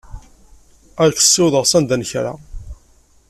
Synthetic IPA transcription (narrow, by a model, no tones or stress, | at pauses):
æɾkə̥sːɪwðəʁsænd̪ænçɾa̰